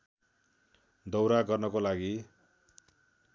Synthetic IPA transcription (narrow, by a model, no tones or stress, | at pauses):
d̪ʌwɾaɡʌrnʌkolaɡi